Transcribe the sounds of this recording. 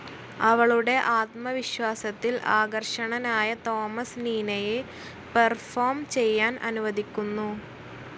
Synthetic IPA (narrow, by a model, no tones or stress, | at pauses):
ɐʋɐɭuɽe̞ʔaːt̪̚mɐʋiɕwaːsɐt̪ːilʔaːɡɐrʂɐɳɐnaːjɐt̪o̞ːmɐsniːnɐje | pɐrfoːrmt͡ɕe̞jːaːnʔɐ̰nuʋɐðikʲːunːu